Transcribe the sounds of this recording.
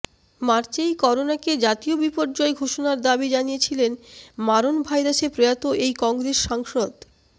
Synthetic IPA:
maɾt͡ɕejkɔɾonaked͡ʑat̪iobipoɾd͡ʑɔeɡʱoʃonaɾd̪abid͡ʑanijet͡ɕʰilenmaɾonbʱajɾasepɾojat̪oʔejkɔŋɡɾesʃaŋʃod̪

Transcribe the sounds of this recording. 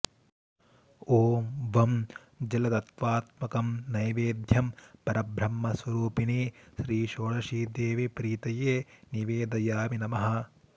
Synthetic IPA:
oːʋɐm | d͡ʒɐlɐt̪ɐt̪ʋaːt̪mɐkɐmnɐjʋeːd̪ʱjɐmpɐɾɐbʱɾɐmːɐsʋɐɾuːpiniːʃɾiːʃoːɭɐʃiːd̪eːʋipɾiːt̪ɐjeːniʋeːd̪ɐjaːminɐmɐɦɐ

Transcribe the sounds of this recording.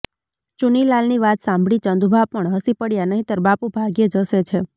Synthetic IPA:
t͡ʃunilalniʋat̪sãmbʱɽit͡ʃənd̪ubʱapəɳɦəsipəɽjanəɦĩt̪əɾbapubʱaɡjed͡ʒəset͡ʃʰe

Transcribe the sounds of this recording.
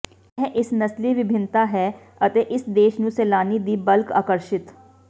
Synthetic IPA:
ɛɦʔɪsnəsliːʋɪbʱɪnt̪aːɦɛː | ət̪eːʔɪsd̪eːʃnũːsɛːlaːniːd̪iːbəlka̰ːkəɾʃɪt̪

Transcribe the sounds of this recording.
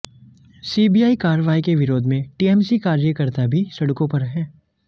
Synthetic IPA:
siːbijaːikaːɾəʋaːikeʋɪɾoːd̪ʱmẽʈiːɛːmsikaːɾijəkəɾt̪abʱisɐɽkõpɐɾɦɛ̃ː

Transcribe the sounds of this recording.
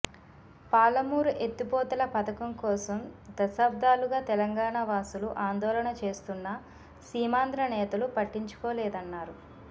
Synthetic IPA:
paːlɐmuːɾuʔet̪ːipɔːt̪ɐlɐpɐt̪ɐkɐmkɔːsɐmd̪ɐsaːb̚d̪aːluɡaːt̪ɛlɐŋɡaːɳɐʋaːsuluʔaːnd̪ɔːlɐɳɐt͡ʃe̞ːst̪unːɐ | siːmaːnd̪ɾɐnɛːt̪ɐlupɐʈːiɲt͡ʃu̥kɔːlɛːd̪ɐnːaːɾu

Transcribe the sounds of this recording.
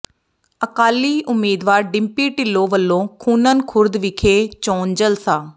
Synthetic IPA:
əkaːliːʔʊmːiːd̪ʋaːɾɖɪmpiːʈɪlːõːʋəlːõːkʰuːnənkʰʊɾd̪ʋɪkʰeːt͡ʃoːnd͡ʒəlsaː

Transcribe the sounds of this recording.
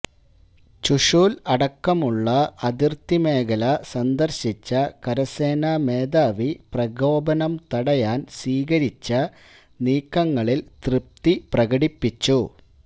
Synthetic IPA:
t͡ɕuʂuːlɐɽɐkːɐmuɭːɐɐd̪irt̪ime̞ːɡɐlɐsɐnd̪ɐrɕit͡ɕːɐkɐɾɐse̞ːnɐmeːd̪aːʋiprɐɡo̞ːbɐnɐmt̪ɐɽɐjaːnswiːɡɐɾit͡ɕːɐ | niːkːɐŋːɐɭilt̪rɨp̚t̪iprɐɡɐɽipːit͡ɕːu

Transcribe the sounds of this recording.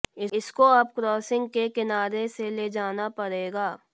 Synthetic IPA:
ɪɪskoɐbkɾɔːsɪ̃ŋɡkekɪnaːɾeseled͡ʒaːnapɐɽeːɡaː

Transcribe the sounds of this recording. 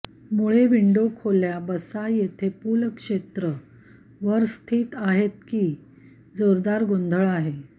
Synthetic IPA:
muɭeʋiɳɖokʰoljabəsajet̪ʰepulkʂet̪ɾə | ʋəɾst̪ʰiːt̪aɦet̪̚kiː | d͡zoɾd̪aɾɡond̪ʱəɭaɦe

